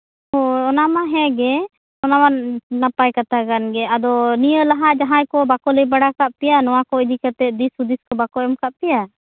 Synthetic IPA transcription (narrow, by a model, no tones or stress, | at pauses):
hɔɔnamaɦɛ̃ɡɛ | ɔnamanapajkat̪akanɡɛad̪ɔnijəlaɦaʔd͡ʒaɦãjkɔbakɔləjbaɽakaʔ̚pɛjanɔwakɔid͡ʒ̪ikat̪ɛd̪isud̪iskɔbakɔɛmkaʔ̚pɛja